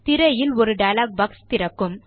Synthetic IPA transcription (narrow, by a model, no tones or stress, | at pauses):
t̪ɪɾɐjɪlɔɾɯɖɐjlaːk̚bɐkst̪ɪɾɐkːɯm